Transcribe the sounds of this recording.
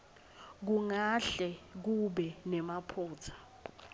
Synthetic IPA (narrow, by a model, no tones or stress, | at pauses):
k̬uŋaɬɛk̬uɓɛnɛmapʰuːtʰḁ